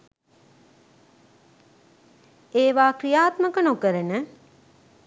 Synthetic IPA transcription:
eːʋaːkrijaːt̪məkənokəɾənə

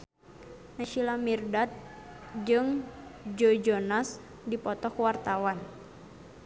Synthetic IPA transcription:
naʃilamirdat̪̚ | d͡ʒɨŋd͡ʒod͡ʒɔnas | dipɔt̪ɔkwart̪awan

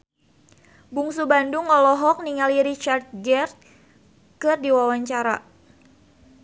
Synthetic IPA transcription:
buŋsubandʊŋɔlɔɦɔk̚niŋaliɾit͡ʃart̪̚ɡɛrt̪̚ | kɨrdiwawaɲt͡ʃaɾa

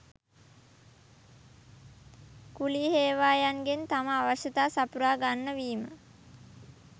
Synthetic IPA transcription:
kuliːɦeːʋaːjanɡent̪aməaʋaʃət̪aːsapuɾaːɡanːəʋiːmə

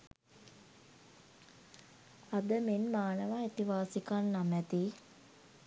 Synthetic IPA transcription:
ad̪əmenmaːnəʋaet̪iʋaːsikanːamæt̪i

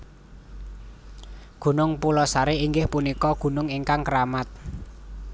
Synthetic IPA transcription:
ɡ̥ṳnʊŋpulɔsaɾeiŋɡɪhpunikɔɡ̥ṳnʊŋiŋkaŋkəɾamat̪̚

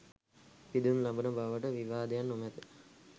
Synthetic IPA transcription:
pid̪unlabənəbaʋəʈəʋiʋaːd̪ejanːomɛt̪ə

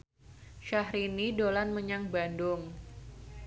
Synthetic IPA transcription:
ʃahɾinidolanməɲaŋbandʊŋ

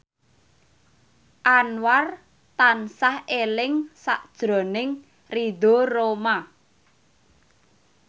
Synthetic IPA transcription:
ʔanwar | t̪ansahelɪŋsa̰ʔd̥ʒ̥ɾɔ̤nɪŋ | rid̪o̤roma

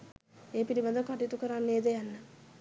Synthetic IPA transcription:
eːpiɾibad̪əkaʈit̪ukəɾanːeːd̪əjanːə

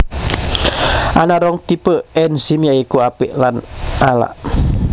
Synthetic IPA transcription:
ʔanaɾɔŋt̪ipəɛnsimiaikuapiʔlanala̰ʔ

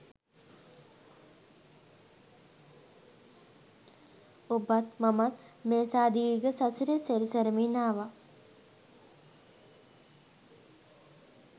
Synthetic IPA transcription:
obat̪mamat̪meːsaːd̪iɡəsasiɾəseɾisɐɾəminaːʋa

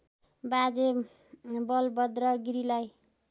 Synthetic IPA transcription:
bad͡ze | bʌlbʌd̪ɾʌɡiɾilaj

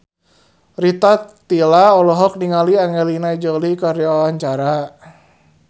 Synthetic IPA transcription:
rit̪at̪ːilaɔlɔɦɔk̚niŋaliaŋɛlinaid͡ʒɔlikaɾiawaɲt͡ʃaɾa

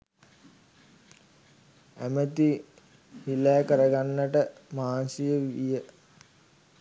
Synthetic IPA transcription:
æmət̪i | hilæːkəɾəɡanːəʈəmaːnsijəʋijə

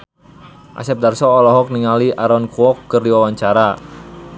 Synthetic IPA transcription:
ʔa̰sɛp̚darsɔːlɔɦɔk̚niŋaliʔaɾɔnkuɔkːərdiwawaɲt͡ʃaɾa

